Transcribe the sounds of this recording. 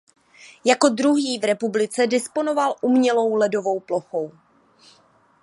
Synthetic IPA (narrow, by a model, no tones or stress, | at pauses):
jako̞dɾuɦiːvɾɛpublɪt͡sɛdɪspo̞no̞valʔumɲɛlo̞wlɛdovo̞wplo̞xo̞w